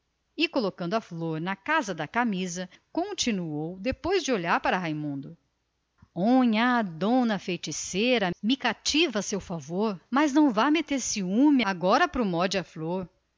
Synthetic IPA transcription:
ɪkolokɐ̃nd̪ʊɐfloɾnɐkazɐd̪ɐkamizɐkõt͡ʃinuowd̪epojzd͡ʒɪoʎaɾpaɾɐɦejmũnd̪ʊ | õɲɐd̪õnɐfejt͡ʃiseɾɐmɪkat͡ʃivɐsewfavoɾmɐznɐ̃w̃vajmet̪eɾsɪũmɪaɡɔɾɐpɾʊmɔd͡ʒɪɐfloɾ

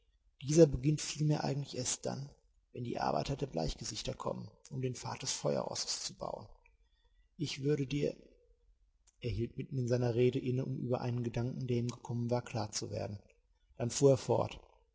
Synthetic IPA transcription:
d̥iːzɐbəɡɪntfiːlmeːɐʔa̰ɪŋ̩tlɪçʔeːɐst̚d̥a̰n | vɛndḭːʔa̰ɐba̰ɪtɐdeːɐbla̰ɪçɡ̥əzɪçtɐkʰɔ̰mənʔʊmdeːnfa̰ɐt̚d̥ɛsfɔʏɐ̰ʁɔ̰sə̥st͡suba̰ʊən | ʔɪçv̥ʏɐɾədiːɐ | ʔeːɐhiːltmɪtn̩ɪnzaɪnɐʁeːɾəʔɪnəʔʊmʔy̰ːbɐʔa̰ɪnənɡədaŋkŋ̩deːɐiːmɡəkʰɔmənvaːɐkʰl̥aːɐt͡suvḛːɐdn̩ | d̥anfuːɐeːɐfɔ̰ɐt

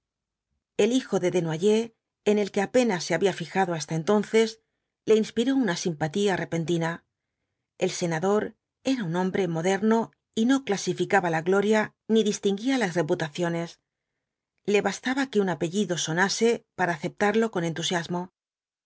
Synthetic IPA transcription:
e̞lixo̞ðe̞ðe̞nwaʝe̞ː | ne̞lke̞ape̞nasːe̞aβiafixaðoas̬t̪ae̞nt̪o̞nθe̞s | le̞inspiɾo̞unasimpat̪iare̞pe̞nt̪ina | e̞lse̞naðo̞ɾ | e̞ɾaunõ̞mbɾe̞mo̞ðe̞ɾno̞ | ino̞klasifikaβalaɣlo̞ɾja | niðist̪iŋɡialazre̞put̪aθjo̞ne̞s | le̞βast̪aβake̞unape̞ʝiðo̞so̞nase̞paɾaːθe̞p̚t̪aɾlo̞ko̞ne̞nt̪usjazmo̞

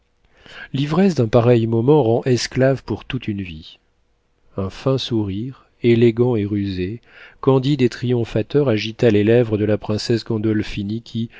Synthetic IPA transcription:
livʁɛsd̪ɛ̃paʁɛjmɔmɑ̃ʁɑ̃ʔɛsklavpuʁt̪ut̪ʰynvi | ɛ̃fɛ̃suʁiʁ | eleɡɑ̃eʁyze | kɑ̃d̪id̪et̪χijɔ̃fat̪œʁaʒit̪alelɛvʁəd̪əlapχɛ̃sɛsɡɑ̃d̪ɔlfinikʲʰi

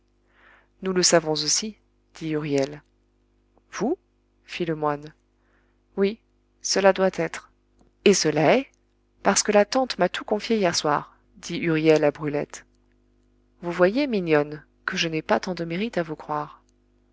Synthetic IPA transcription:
nuləsavɔ̃zosi | d̪̥iyʁjɛl | v̥u | filəmwan | wi | səlad̪wat̪ɛt̪χ | esəlaɛ | paʁsə̥kəlat̪ɑ̃t̪mat̪ʰukɔ̃fjeijɛʁswa̰ʁ | d̪̥iʔyʁjɛlabʁylɛ̰t̪ | vuvwajeminjɔn | kəʒənɛpat̪ɑ̃d̪əmeʁit̪avukχwaʁ

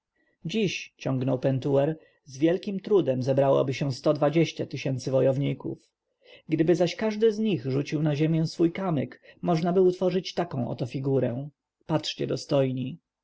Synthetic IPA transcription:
d͡ʑiɕt͡ɕɔ̃ŋɡnɔwpɛnt̪uwɛɾ | zvʲjɛlkʲimt̪ɾud̪ɛmzɛbɾawɔ̰bɘɕɛw̃st̪ɔd̪vad͡ʑeɕt͡ɕat̪ɘɕɛnt̪sɘvɔjɔvɲikṵf | ɡd̪ɘbɘzaɕkaʐd̪ɘzɲiɣʐut͡ɕiwnaʑemʲjɛ̃w̃sfujkamɘkmɔʐnabɘut̪fɔʐɘt͡ɕt̪akɔ̃w̃ʔɔ̰t̪ɔfʲiɡuɾɛ̃ | patʂt͡ɕɛ̰d̪ɔst̪ɔjɲi

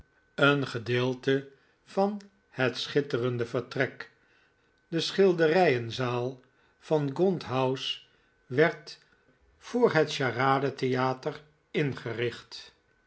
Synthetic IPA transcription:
ənχədɪːlˠtə | v̥ɑn | hɛtsχɪtərəndəvəɹtrɛk | dəsχɪlˠdərɛjənzaːlˠ | v̥ɑnɡɔntɦʌws | ʋɛɹt | fʊːɹɦətʃaːraːdətejaːtər | ɪnχərɪχt

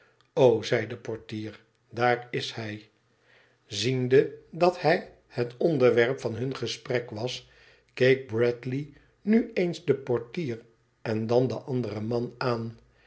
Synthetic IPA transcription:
owzɛjdəpɔɹtiːɹ | daːɹɪshɛj | zindədɑthɛj | hətɔndəɹʋɛɹpfɑnɦɵnχəsprɛkʋɑs | kejk̚brɛtli | nyejnzdəpɔɹtiːr | ɛndɑndəʔɑndərəmɑnaːn

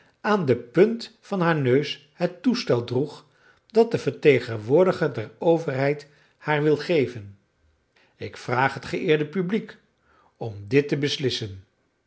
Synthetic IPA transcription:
aːndəpɵntfɑnɦaːɹnøɥs | hətustɛlˠdruχ | dɑt̚dəvəɹtejχənʋʊːɹdəχəɹdɛrowvəɹɦɛjt | haːɹʋɪlˠχejvən | ɪkfraːχɦətχəʔɪːɹdəpyblik | ɔmdɪtəbəslɪsən

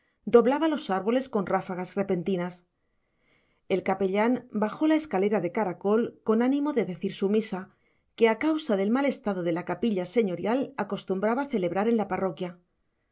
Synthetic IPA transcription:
d̪o̞βlaβalo̞saɾβo̞le̞sko̞nrafaɣasre̞pe̞nt̪inas | e̞lkape̞ʎanbaxo̞lae̞skale̞ɾaðe̞kaɾako̞lko̞nanĩmo̞ðe̞ðe̞θiɾsumisa | ke̞akawsaðe̞lmale̞st̪aðo̞ð̞e̞lakapiʎase̞ɲo̞ɾjalako̞st̪umbɾaβaθe̞le̞βɾaɾe̞nlaparo̞kja

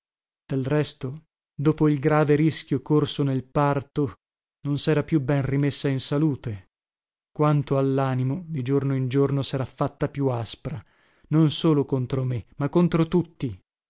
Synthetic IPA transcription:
d̪̥elrɛst̪o | d̪oːpoilɡɾaːveɾiskʲjokorsonelpart̪o | nonsɛːɾapjubɛnrimesːainsaluːt̪e | kwant̪oalːaːnimod̪id͡ʒornoind͡ʒornosɛːɾafːat̪ːapjuaspɾa | nonsoːlokont̪ɾomemakːont̪ɾot̪ut̪ːi

